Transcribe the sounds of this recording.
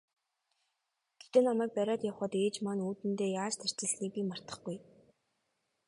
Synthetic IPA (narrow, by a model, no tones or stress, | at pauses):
ɡ̥e̥t̪eːnamæːk̚pæɾʲaːt̪jawχə̆t̪eːt͡ɕmanuːt̪ɘ̆nt̪eːjaːt͡ɕt̪ʰær̥t͡sɪ̆ɮxiːk̚pʲiːmar̥t̪ə̥̆χɡuj